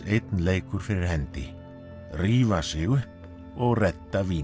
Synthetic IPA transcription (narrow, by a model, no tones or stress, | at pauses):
ejt̪nleːjkʏɾ̥fɪɾɪɾ̥hɛnt̪ɪ | riːvasɪɣʏhp | ɔɣrɛt̪ːaviː